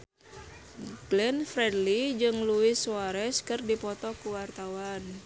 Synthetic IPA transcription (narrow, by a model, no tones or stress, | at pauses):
ɡ̥lɛnfɾɛdlid͡ʒɨŋluɪsuaɾɛskɨrdipɔt̪ɔkuwart̪awan